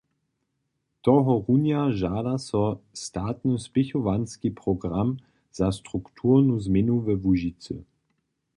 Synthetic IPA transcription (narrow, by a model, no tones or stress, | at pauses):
t̪ɔɦɔʁunjaʒaːdasɔstaːtnəspɪçɔvanskipʁ̥ɔɡʁam | z̥ast̪ʁ̥ukt̪ʰuːʁnuzmɪnuvɛvuʒit͡sə̰